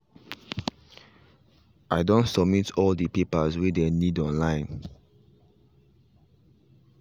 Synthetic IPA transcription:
ʔaɪdõntsɔbmitʰɔldəpipəzwidenidɔ̃nlãɪ̃n

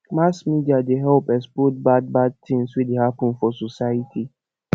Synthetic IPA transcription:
masmidiadeɦɛlpɛspɔt̚bad̚bad̚tĩŋswidehapʊ̃nfɔsɔsajitʰi

